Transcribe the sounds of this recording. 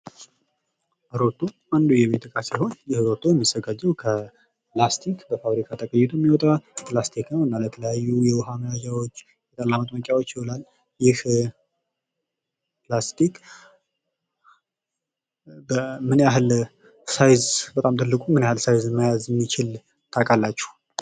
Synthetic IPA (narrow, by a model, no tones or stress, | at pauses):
ʔɾo̞t̪ʰːo | and̪ujɛβet̪ʰɨkʼasiho̞njɪhɾo̞t̪ʰːojɛmːiz̥əɡad͡ʒːɛwkʰə | plast̪ʰikbəfaβɾikʰat̪ʼəkʼəjːɛt̪ʰujɛmːiwɔt̪ʼapʰlast̪ʰiknəwɨnːalət̪ʰələjajːujɛwɦamlad͡ʒawo̞t͡ʃː | jɛt̪ʼəlːamət̪ʼməkʼjawo̞t͡ʃːiholal | jɪh | pʰlast̪ʰik | bəmɨnaɦl | sajzbət̪ʼamt̪ʰʼɨlːɨkʼumɨnjahɨlsajzmajazjɛmːit͡ʃɪl | t̪ʰakʼalːat͡ʃːɛ̥h